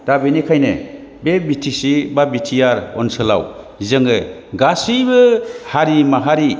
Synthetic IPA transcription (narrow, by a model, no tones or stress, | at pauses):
d̥abɯnikʰajnḛ | bebitʰisibabitʰijaɾɔ̰nsɯla̰w | zɯŋɯɡasibɯhaɾimaɦaɾi